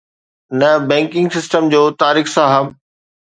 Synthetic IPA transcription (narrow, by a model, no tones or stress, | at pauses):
nɐbɛ̃ːŋkɪ̃ŋɡsɪsʈəmd͡ʑoːt̪aːɾiːxsãɦɐm